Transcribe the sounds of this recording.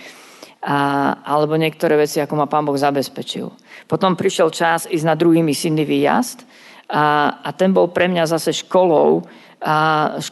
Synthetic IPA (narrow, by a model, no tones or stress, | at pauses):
ʔalɛbɔɲɪɛk̚t̪ɔɾɛːʋɛt͡siakɔmapaːnbɔɣzabɛspɛt͡ʃḭl | pɔt̪ɔmpɾiʃɪɛlt͡ʃaziːznad̪ɾuɦiːmisid̪nːiʋiːja̰st̪ | ʔat̪ɛnbɔlpɾɛmɲazasɛʃkɔlɔ̰ʊ | ʃ